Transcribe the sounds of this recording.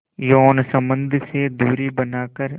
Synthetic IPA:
joːnsə̃mbə̃nd̪ʱsed̪uːɾibənaːkəɾ

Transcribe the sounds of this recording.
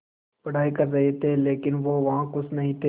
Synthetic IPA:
pɐɽ̤aːikɐɾːɐɦet̪ʰeːleːkɪnʋoːʋɐɦãkʊsʰnɐɦĩt̪ʰe

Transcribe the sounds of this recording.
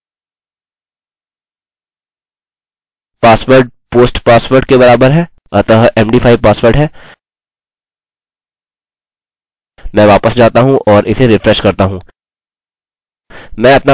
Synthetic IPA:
paːsʋəɾɖ̚ | poːsʈpaːsʋəɾɖkebɐɾaːbəɾɦɛː | ɐt̪əɦɛːmɖiːpʰaːipaːsʋəɾɖɦɛː | mɛ̃ːʋaːpəsd͡ʒaːt̪aɦũʔɔːɾʔɪseɾɪfɾɛʃkɐɾt̪aɦũː | mɛ̃ːɐpna

